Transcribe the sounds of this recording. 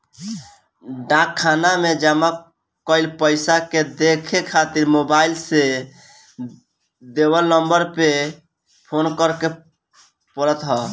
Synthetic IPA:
ɖãkʰːanamed͡ʒəma | kəjlpəɪsaked̪ekʰekʰat̪iɾmobailse | d̪ewəlnəmbəɾpe | pʰonkəɾke | pəɾət̪ɦɔ

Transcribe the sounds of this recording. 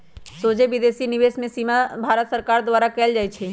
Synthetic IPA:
soːd͡ʒeʋɪd̪eːsinɪʋeːsmẽsiːmabʱaːɾət̪səɾkaːɾd̪ʋaːɾakɛːld͡ʒaːit͡ʃʰeː

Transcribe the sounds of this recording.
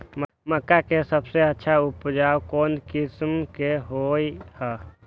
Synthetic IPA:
m | məkːakesəbseətːʃʰaupd͡ʒaowkonkismkeɦojhə

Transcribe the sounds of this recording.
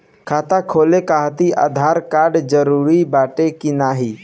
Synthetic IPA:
kʰaːt̪akʰolekaɦt̪iʔa̰d̪ʱaɾkaɾɖd͡ʒəɾuɾibaːʈekinaɦi

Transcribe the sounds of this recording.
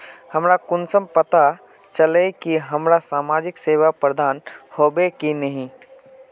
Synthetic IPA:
hɐmɾakʊnsəmpɐt̪a | t͡ʃɐlekiɦɐmɾasaːmaːd͡ʒɪkseːwapɾəd̪ʱaːnhoːbekinɐɦĩː

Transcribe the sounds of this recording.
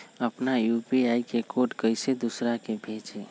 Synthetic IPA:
əpnajupiajkekoʈkəjsed̪usɾakebʱet͡ʃe

